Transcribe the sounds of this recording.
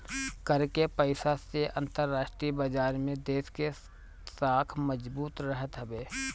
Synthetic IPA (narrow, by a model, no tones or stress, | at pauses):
kɐɾkepəɪsaseʔə̃nt̪əɾːaːʃʈɾibəd͡ʒaːɾmẽd̪eːske | saːkʰməd͡ʒbuːt̪ɾəɦət̪ɦɐbeː